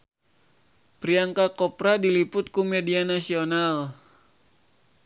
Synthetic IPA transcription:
pɾiaŋkakɔpɾadilipʊt̪̚kumɛdianasional

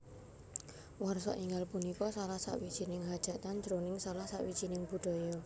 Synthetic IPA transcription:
warsɔ̰ʔiŋalpunikɔsalahsa̰ʔwid̥ʒ̥i̤nɪŋɦad̥ʒ̥a̤t̪andd͡ʒ̥ɾonɪŋsalahsa̰ʔwid̥ʒ̥i̤nɪŋbuɖ̥ɔ̤jɔ

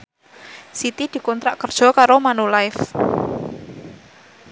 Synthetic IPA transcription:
sit̪id̪̥i̤kɔnt̪ɾaʔkərd̥ʒ̥ɔ̤kaɾomanulaɪf

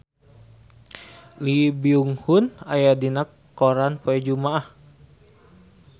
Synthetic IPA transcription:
libiuŋhʊna̰jadinakːoɾanpoɛd͡ʒumaah

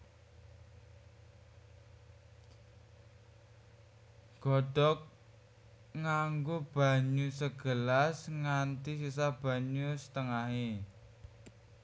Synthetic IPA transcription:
ɡ̥ɔɖ̥ɔk̚ | ŋaŋɡob̥a̤ɲusəɡ̥əlasŋant̪isisab̥ä̤ɲusə̥t̪əŋaɦe

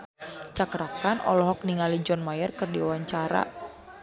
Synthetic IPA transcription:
t͡ʃakɾakanɔ̰lɔɦɔk̚niŋalid͡ʒɔnmajərkɨrdiuwaɲt͡ʃaɾa̰

